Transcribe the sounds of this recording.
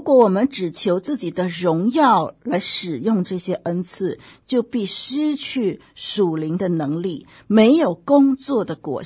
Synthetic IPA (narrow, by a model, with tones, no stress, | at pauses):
u˧˥kwɔ˧˥wɔ˨˩mə˦nʈ͡ʂɻ̩˨˩t͡ɕʰjo˧˥ʊt͡sɹ̩˥˩t͡ɕi˨˩d̪ə˦ɻʊ˧˥ŋjɑ˥˩ʊla˧˥ɪʂɻ̩˨˩jʊ˥˧ŋʈ͡ʂɤ˥˩ɕjɛ˥ʔə˥nt͡sʰɹ̩˥˧ | t͡ɕjo˥˧ʊpi˥˩ʂɻ̩˥t͡ɕʰy˥˩ | ʂu˨˩li˧˥ŋd̪ə˧nɤ˧˥ŋli˥˩ | me˧˥ɪjo˨˩ʊkʊ˥ŋt͡swɔ˥˩d̪ə˩kwɔ̰˨˩